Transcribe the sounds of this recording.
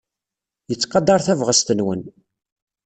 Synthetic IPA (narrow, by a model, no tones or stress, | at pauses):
jət͡sːqɑd̪ɑɾˤθævʁəst̪ənwən